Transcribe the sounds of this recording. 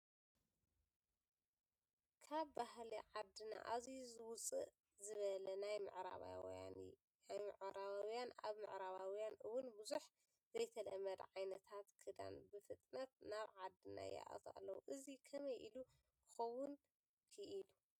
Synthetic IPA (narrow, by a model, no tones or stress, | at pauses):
kʰaβbaɦliʕad̪ːɨna̰ʔazizwʊt͡sʼɨ̰ʔ | zɨβɐlɐnajmɨ̰ʕɾa̰βa̰ | ajmɨʕɾaβawjana̰βmɨ̰ʕɾaβawjanʔɨwʊnbɨzuħ | zɐjt̪ʰɐlɐmɐd̪ʕajnɐt̪ʰat̪kʰɨd̪a̰nbɨfɨt̪ʼnɐt̪naβʕad̪ːɨna̰jɛ̰ʔɐ̰t̪ʰa̰lːɐwuʔɨzikʰɐmɐjʔilu | kʰɨ̥xɐwʊn | kʰɨʔilu